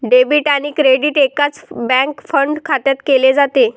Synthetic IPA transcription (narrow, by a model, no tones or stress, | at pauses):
ɖebiʈañikɾeɖiːʈekat͡sbɛ̃kfəɳɖkʰat̪jat̪keled͡zat̪e